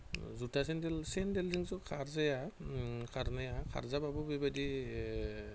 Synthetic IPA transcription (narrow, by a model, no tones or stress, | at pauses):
zutʰasɛndɛlsɛndɛlziŋsɔkʰaɹzajakʰaɾnajakʰa̰ɹzababɔbibadi